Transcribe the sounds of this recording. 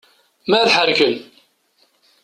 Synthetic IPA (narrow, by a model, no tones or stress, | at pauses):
mæðħəɾkən